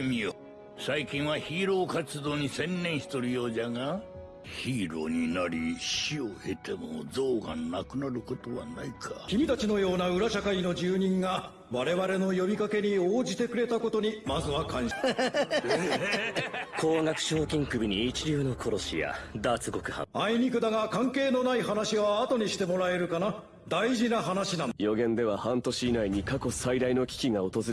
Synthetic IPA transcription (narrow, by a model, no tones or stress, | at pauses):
mʲio | saikʲĩɰ̃βaçiːɾo̞ːkat͡sɨd̪o̞ːɲ̟isẽ̞nːẽɰ̃ɕi̥t̪oɾɯ̟jo̞ːd͡ʑaɡa | çiːɾo̞̰ːɲ̟inaɾʲiɕioe̞t̪e̞mo̰zo̞ːɡa̰nakɯ̟naɾɯ̟ko̞t̪o̞βa̰naikʰakʲimʲit̪at͡ɕino̞jo̞ːnaɯ̟ɾaɕakaino̞d͡ʑɨːɲ̟ĩŋɡa | βaɾe̞βaɾe̞no̞jo̞bʲikake̞ɲ̟ioːd͡ʑit̪e̞kɯ̟ɾe̞t̪ako̞t̪o̞ɲ̟imazɨβakãñ | kʰo̞ːŋakɯ̟̥ɕo̞ːkʲĩŋkɯ̟bʲiɲ̟it͡ɕiɾʲɨːno̞kʰo̞ɾo̞ɕḭja̰d̪aːt͡sɨɡo̞kɯ̟hã̰aiɲ̟ikɯ̟d̪aɡakãŋke̞ːno̞naiɦanaɕiβaːt̪o̞ɲ̟iɕi̥t̪e̞mo̞ɾae̞ɾɯ̟kana | d̪aiʑinaɦanaɕinãjo̞ɡẽ̞nd̪e̞βahãnt̪oɕiːnaiɲ̟ikako̞said̪aino̞kʲi̥kʲiŋao̞t̪o̞zɨɾ